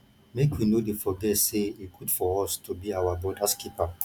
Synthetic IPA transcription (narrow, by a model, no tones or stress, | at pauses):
mekʰwinodefɔɡɛtseikʰudfɔɔstʰubiawabɔdaskipa